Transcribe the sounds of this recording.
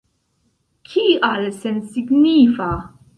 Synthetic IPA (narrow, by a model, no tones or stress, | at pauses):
kʰiːʔɐːlɛsɛnsɪɡniːfɐ